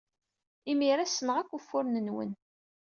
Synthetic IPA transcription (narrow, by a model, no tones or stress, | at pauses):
imiɾæsənəʁækʷːufːʊɾnənwə̰n